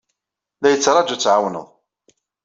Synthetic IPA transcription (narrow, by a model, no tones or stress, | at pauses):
læjət͡sːɾˤɑd͡ʒut͡sːʕawnə̰ðˤ